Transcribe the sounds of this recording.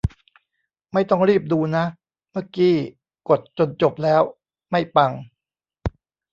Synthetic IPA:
ma˥˩jt̪ɔ˥˩ŋɾiː˥˩p̚duː˧na˦˥ʔ | ma˥˩kiː˦˥˩ | ko˨˩t̪̚t͡ɕo˧nt͡ɕo˨˩p̚lɛː˦˥w | ma˥˩jpa˧ŋ

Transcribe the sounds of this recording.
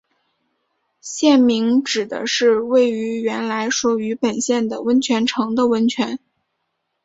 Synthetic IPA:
ɕjɛ˥˩nmi˧˥ŋʈ͡ʂɻ̩˨˩d̪ə̰˦ʂɻ̩˥˧we˥˩ɪy˧˥ɥɛ˧˥nla˧˥ɪʂu˧˥y˧˥pə˨˩nɕjɛ˥˩nd̪ə˩wə˧˥nt͡ɕʰɥɛ˧˥nʈ͡ʂʰɤ˧˥ŋd̪ə˧wə˧˥nt͡ɕʰɥɛ˧˥n

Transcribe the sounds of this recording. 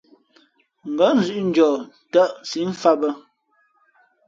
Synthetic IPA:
ŋ̩˨ɡə˨˦n̩˨˦zʉ˦ʔn̩˦d͡ʒɔː˨ | tə˦ʔsi˨˦ɱ̩˦fa˦bə˦

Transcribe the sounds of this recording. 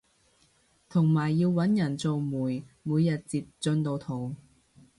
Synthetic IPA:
t̪ʰʊ˨˩ŋmaː˨˩jːiː˧wːɐ˨˥njɐ˨˩nt͡so˨˧wmuː˨˩jmuː˨˧jːɐ˨t̚t͡siː˧p̚t͡sɵ˧nt̪o˧wt̪ʰo˨˩w

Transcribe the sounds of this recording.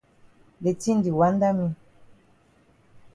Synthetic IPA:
be˨ti˦n˨di˨wa˨˦n˦da˦mi˦

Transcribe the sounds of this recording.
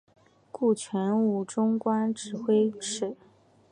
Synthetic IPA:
ku˥˩t͡ɕʰɥɛ˧˥nu˥˩ʈ͡ʂʊ˥ŋkwa˥nʈ͡ʂɻ̩˨˩xwe˥ɪʈ͡ʂɻ̩˥˩

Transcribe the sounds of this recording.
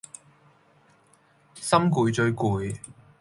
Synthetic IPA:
sɐ˥mkuː˨˧jt͡ʃɵ˧ɥkuː˨˧j

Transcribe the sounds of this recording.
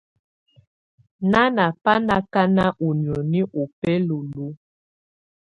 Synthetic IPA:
na˦na˨pa˦na˦ka˦na˦ʔu˨njɔ˨ni˦ʔo˨pɛ˦lo˨lu˦

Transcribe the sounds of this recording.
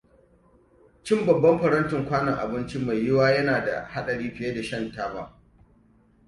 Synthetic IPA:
t͡ʃɪ˦mbɐ˨bːɐ˦mɸɐ˨ɾɐ˦ntʊ˨ŋkʷaː˦nɐ˨ŋʔa̰˨bɪ˦nt͡ʃi˦ma˨jjɪ˦waː˦jɐ˦naː˨da̰˨ha˦ɗɐ˨ɽiː˦ɸɪ˨jeː˦da˨ʃɐ˦ntaː˦baː˦˨

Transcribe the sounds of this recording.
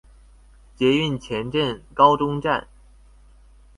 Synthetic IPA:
t͡ɕjɛ˧˥y˥˩nt͡ɕʰjɛ˧˥nʈ͡ʂə˥˩nkɑ˥ʊʈ͡ʂʊ˥ŋʈ͡ʂa̰˥˩n

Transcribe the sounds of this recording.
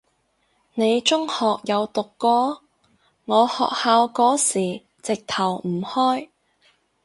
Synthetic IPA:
ne˨˧jt͡ʃʊ˥ŋhɔː˨k̚jɐ˨˧wt̪ʊ˨kːɔː˥ | ŋɔː˨˧hɔ̰ː˨k̚haː˧wkɔː˨˥siː˨˩ | t͡sɪ˨k̚t̪ʰɐ˨˩wm̩˨˩hɔː˥j

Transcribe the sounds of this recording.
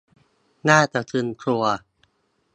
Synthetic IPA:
naː˥˩t͡ɕa˨˩t̪ʰɯ˧nkʰlu˧ɐ

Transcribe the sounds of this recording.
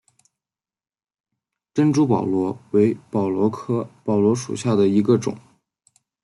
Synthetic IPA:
ʈ͡ʂə˥nʈ͡ʂu˥pɑ̰˨˩ʊlwɔ˧˥we˧˥ɪpɑ˨˩ʊlwɔ˧˥kʰɤ˥pɑ˨˩ʊlwɔ˧˥ʂṵ˨˩ɕja˥˩d̪ə˩i˧˥ɡə˧ʈ͡ʂʊ̰˨˩˦ŋ

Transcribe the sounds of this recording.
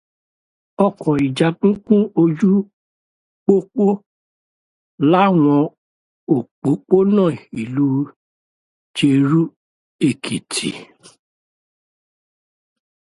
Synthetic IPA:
ɔ˦˨kʰɔ̃˨i˨d͡ʒa˨k͡pũ˦kũ˦o˧d͡ʒu˦ | k͡po˦k͡po˦ | la˦w̃ɔ̃˧ | o˨k͡po˨˦k͡po˦nãː˦˨i˨lu˦ | t͡ʃe˧ɾu˦ | e˦˨kʰi˨tʰḭ˨

